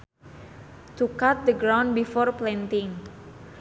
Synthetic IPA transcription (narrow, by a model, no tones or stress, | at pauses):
t̪ukat̪̚d̪əɡɾawnbifɔrplɛnt̪iŋ